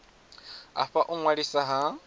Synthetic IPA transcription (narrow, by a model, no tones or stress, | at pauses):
a̰ɸaʔuŋwaɺisaɦa